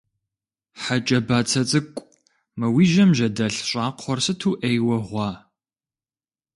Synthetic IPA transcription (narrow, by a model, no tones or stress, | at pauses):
ħat͡ʃʼɐbaːt͡sʰɐt͡sʼɨkʷʼ | mɨwiːʒɐmʒɐdɐɬɕʷʼaːqʷʰχʷɔrsɨtʰuːʔejwɐʁʷɑː